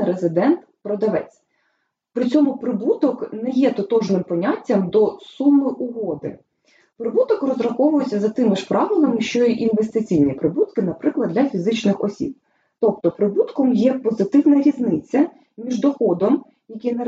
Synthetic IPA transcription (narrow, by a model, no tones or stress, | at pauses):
ɾezɪd̪ɛnt̪pɾɔd̪ɐʋɛt͡sʲ | pɾɪt͡sʲɔmʊpɾɪbut̪ɔknɛjɛt̪ɔt̪ɔʒnɪmpɔnʲatʲːɐmd̪ɔsumːɪʔʊɦɔd̪ɪ̰ | pɾɪbut̪ɔkrɔzɾɐxɔʋʊjɪsʲːɐzɐt̪ɪmɪʃpɾɑʋɪlˠɪmɪʃt͡ʃɔjiʔinʋest̪ɪt͡sʲijnʲipɾɪbut̪kɪnɐpɾɪklˠɐd̪lʲɐfʲizɪt͡ʃnɪxɔ̰sʲḭb̚ | t̪ɔp̚t̪ɔpɾɪbut̪kɔmjɛpɔzɪt̪ɪwnɐɾʲiznɪt͡sʲːɐ | mʲiʒd̪ɔxɔd̪ɔm | jɐkɛnɐ